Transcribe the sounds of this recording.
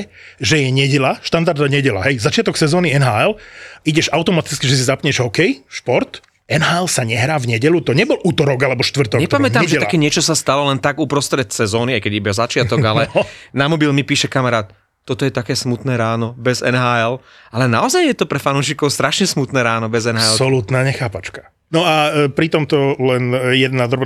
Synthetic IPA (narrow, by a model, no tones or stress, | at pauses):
ʒɛjɛɲɛɟɛʎaʃt̪and̪aɾd̪aɲɛɟɛla̰ɦɛjzat͡ʃɪat̪ɔksɛzɔːniɛnɦaːɛliɟɛʒaʊt̪ɔmat̪it͡skiʒɛs̬izapɲɛʒɔkɛjʃpɔɾt̪ | ɛnɦaːɛlsaɲɛɦɾaːvɲɛɟɛʎut̪ɔɲɛbɔlʔuːt̪ɔɾɔɡalɛbɔʃt̪ʋr̩t̪ɔkɲɛɛpamɛt̪amʒɛakɛːɲɪɛt͡ʃɔsast̪alɔlɛnt̪aɡupɾɔst̪ɾɛt̪sɛzɔːniajkɛɟibɛzat͡ʃɪat̪ɔɡalɛnamɔbilmipiːʃɛkamaɾaːt̪ː | ɔt̪ɔjɛt̪akɛːsmut̪nɛːɾaːnɔbɛzɛ̰nɦaːɛl | alɛnaɔzajjɛt̪ɔpɾɛfanuːʃikɔʊst̪ɾaʃɲɛsmut̪nɛːɾaːnɔbɛzɛnɦaːɛlsɔlut̪naːɲɛxaːpat͡ʃkḁ | nɔapɾit̪ɔmt̪ɔlɛnjɛd̪nad̪ɾɔb